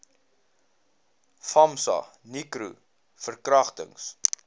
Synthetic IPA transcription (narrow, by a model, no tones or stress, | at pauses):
fɐmsɐ̰nikɾṵ | fərkrɐχtə̰ŋs